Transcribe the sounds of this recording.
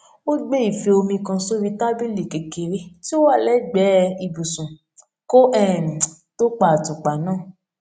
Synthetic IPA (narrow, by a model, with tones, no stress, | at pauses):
o˦ɡ͡be˦i˨fe˧o˧mĩ˧kã˧so˦ɾi˦ta˦bi˦li˨ke˨ke˨ɾi˦ti˦o˦wa˦˨lɛ˨˦ɡ͡bɛ˨˦i˨bu˨sũ˨ | ko˦ʔɛ˦˨ñ˨to˦k͡pa˧a˨tũ˨k͡pa˨nãː˦˨